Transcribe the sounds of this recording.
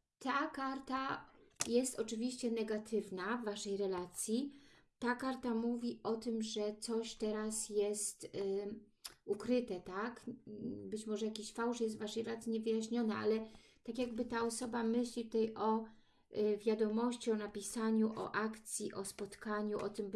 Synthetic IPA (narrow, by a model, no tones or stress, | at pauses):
t̪akaɾt̪ajɛst̪ɔt͡ʂɘvʲiɕt͡ɕɛnɛɡat̪ʰɘvnavːaʂɛjɾɛlat̪sʲjit̪akaɾt̪amuvʲiʔɔt̪ɘmʐɛt̪sɔɕt̪ɛɾasjɛst̪ | ukɾɘt̪ɛt̪akbɘt͡ɕmɔʐɛjakʲiɕfawʂjɛst̪vaʂɛjɾɛlat̪sʲiɲɛvɘjaɕɲɔnɛʔa̰lɛ | t̪akʲjaɡbɘt̪aɔsɔbamɘɕlʲit̪ut̪ajʔɔ | vʲjad̪ɔmɔɕt͡ɕiɔnapʲisaɲuʔɔ̰ʔakt̪sʲjiʔɔspɔt̪kaɲuʔɔ̰t̪ɘm